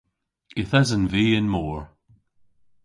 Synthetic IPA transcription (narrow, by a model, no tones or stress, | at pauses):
ɪθɛzə̃nviːɪnmɔːɹ